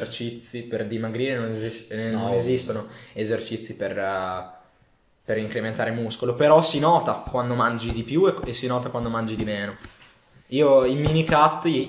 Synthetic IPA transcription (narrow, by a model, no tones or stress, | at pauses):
rt͡ʃit̪sːiperd̪imaɡɾiːɾenonzisnːonezist̪onoezert͡ʃit̪sːiper | peɾiŋkɾement̪aːɾemuskolopeɾɔsinɔːt̪akwand̪omand͡ʒid̪ipjueesːinɔːt̪akwand̪omand͡ʒid̪imeːno | iːoiminikat̪ːi